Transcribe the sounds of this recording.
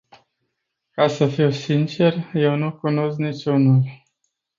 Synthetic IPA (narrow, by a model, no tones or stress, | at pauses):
kasəfiwsint͡ʃe̞rje̞wnukuno̞sknit͡ʃʲunul